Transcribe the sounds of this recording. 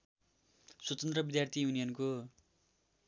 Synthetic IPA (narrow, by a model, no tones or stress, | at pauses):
swʌt͡sʌnt̪rʌbid̪jart̪ʰijunijʌnko